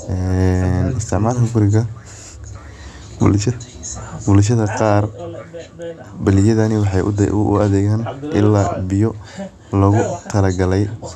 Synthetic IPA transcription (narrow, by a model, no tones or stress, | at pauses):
ʔɛnɪst̪ʰɪʕmaːlkɐɡʊɾɪɡɐ | b̰lʃɐ | bʊlʃ̬ɐðɐqɑːr | bɐlɪjɐðɐnɪwɑħɑjʔd̪̰ʔʊ̰ɐðɛːɣaːnʔɪ̰lːaːbɪjɔ | lɐɣʊt̪ʰɐlɐɡɐlɛj